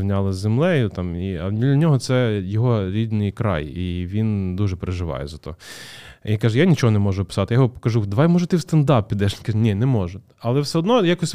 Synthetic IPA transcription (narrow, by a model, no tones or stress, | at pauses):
nʲalˠɪzʲzemlˠɛjʊt̪ɑmiɐd̪ʲilʲɐnʲɔɦɔt̪sɛjɔɦɔɾʲid̪nɪjkɾɑ̰jiʋʲind̪uʒɛpɾeʒɪʋɑ̰jɛ̰zɐt̪ɔ̰ɦ | kaʒɛjanʲit͡ʃɔɦɔnɛmɔʒʊpɪ̥sɑt̪ɪjajɪɦɔpkɐʒud̪ɐʋajmɔʒɛt̪ɪwst̪ɐnd̪ɑp̚ʲpʲːid̪ɛʃnʲkɐnʲinɛmɔʒɛ | ɐlˠɛwsɛɔd̪nɔjakɔsʲ